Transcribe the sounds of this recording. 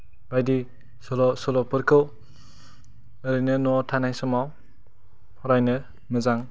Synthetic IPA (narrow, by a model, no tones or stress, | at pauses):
bajdi | sɔlɔsɔlɔpɯɾkʰɯw | ɯɾɯnɯnɔtʰanajsɔmaw | pʰɔɾajnɯ | mɯzaŋ